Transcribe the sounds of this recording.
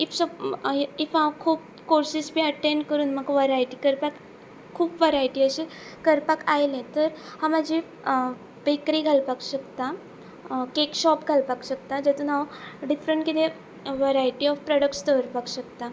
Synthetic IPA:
ifsɔbifakʰuːp | koɾsisbʱiːəʈẽɳɖkəɾuːnməɡʋəɾajʈikəɾpak | kʰːuːpʋəɾajʈiəɕi | kəɾpakajlẽt̪əɾhamad͡ʑʱi | bekɾiɡʱalpakɕəkt̪a | kekɕɔp̚ɡʱalpakɕək̚t̪ad͡ʑɛt̪unaʋoɖifɾəɳʈkit̪e | ʋəɾajʈiɔfpɾɔɽək̚ʈst̪əəɾpakɕəkt̪a

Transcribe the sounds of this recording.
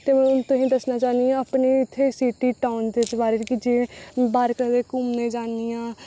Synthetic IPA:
t̪eːmɛ̃ːʊnt̪õːɦĩːd̪əsnaːt͡ʃaːniãːəpniːɪt̪ʰːeːsiːʈiːʈaːʊnd̪eːd̪əʋaːɾeːɾkɪd͡ʒeːbaːɾkəd̪eːkʊmnẽːd͡ʒaːnijãː

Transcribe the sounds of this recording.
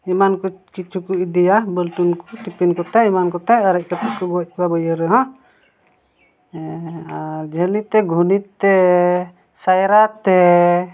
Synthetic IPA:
imankukit͡ʃukuid̪ɛjabəlt̪unku̥t̪ipinkɔt̪ɛimankɔt̪ɛəɾɛc̚kət̪ɛkɔbuɔc̚kuabəjəɾəɦɔ̃ | d͡ʒəlit̪ɛɡʱunit̪ːɛ | sajɾat̪ɛ

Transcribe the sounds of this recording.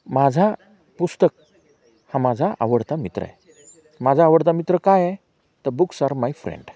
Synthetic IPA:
mad͡zʱa | pust̪ək̚ | hãmad͡zʱaʔa̰ʋəɽt̪amit̪ɾə̰ɛ̰ | mad͡zʱaːʋəɽt̪amit̪ɾəkajɛ | t̪əɾbuksaɾmajfɾḛ̃ɳɖ

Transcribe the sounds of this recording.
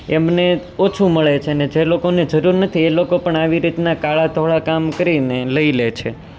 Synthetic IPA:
emne | ot͡ʃʰũməɭet͡ʃʰened͡ʒelokoned͡ʒəɾuɾnət̪ʰielokopəɳaʋiɾit̪nakaɭat̪ʰoɭakamkəɾineləilet͡ʃʰe

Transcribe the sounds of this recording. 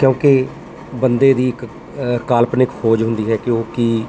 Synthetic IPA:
kjõːke | bənd̪eːd̪iːɪk | kaːlpnɪkfʰoːd͡ʒɦʊ̃nd̪iːɦɛːkɪoːkiː

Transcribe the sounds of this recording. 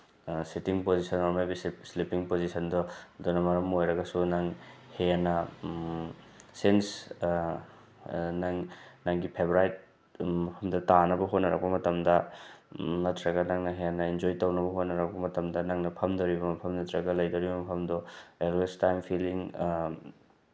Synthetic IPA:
sitiŋpozisɐnoɾmelbisslipiŋpozisɐndɔdonɐmɐɾɐmojɾɐɡɐsunɐŋheanɐ | sens | nɐŋnɐŋɡipʰebɾajt̚ | pʰɐmdɐtanɐbɐɦot̚nɐɾɐk̚pɐmɐtɐmdɐ | nɐtʰɾɐɡɐnɐŋnɐɦejanɐind͡ʒojtɐwnɐbɐɦotnɐɾɐk̚pɐmɐtɐmdɐnɐŋnɐpʰɐmdɐwɾibɐmɐpʰɐmnɐtɾɐɡɐlɐjdɐwɾibɐmɐpʰɐmdɔelwestajmpʰiliŋ

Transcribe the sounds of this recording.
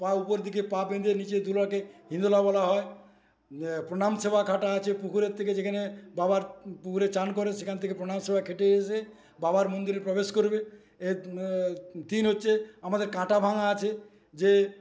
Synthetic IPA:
paupoɾd̪ʱikepabẽnd̪eɾnit͡ɕed̪ʱulakeɦĩnd̪ulabɔlaɦɔe | pɾoɽ̃amʃebakʰaʈaat͡ɕʰepukuɾeɾt̪ʰeked͡ʑekʰanebabaɾpukuɾet͡ɕank̬ɔɾeʃekʰant̪ʰekepɾoɽamʃebakʰeʈeese | babaɾmond̪iɾeɾpɾɔbeʃkoɾbe | e | t̪inɦotːʃʰeamad̪eɾkãʈabʱaŋaat͡ɕʰe | d͡ʑe

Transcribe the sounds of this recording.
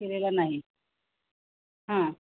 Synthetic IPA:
elelanaɦi | ɦã

